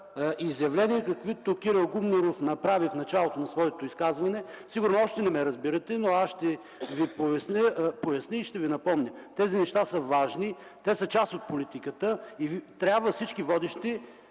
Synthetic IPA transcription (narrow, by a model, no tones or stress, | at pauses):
ʔiːzjɐvlɛniɛkɐkvit̪okiɾɐlˠɡumnoɾofnɐpɾavifnɐt͡ʃalˠot̪onɐsvɔjɛt̪oiskazvɐnɛsiɡʊɾnoɔʃt̪ɛnɛmɛɾɐzbiɾɐt̪ɛnoaʃt̪ɛ | vipovɛsnʲəpojɐsniːʃt̪ɛvinɐpɔmnʲət̪ɛzinɛʃt̪asəvaʒni | t̪ɛsət͡ʃast̪ot̪̚polit̪ikət̪əivt̪ɾʲabvəfsit͡ʃkivɔd̪iʃt̪ɛ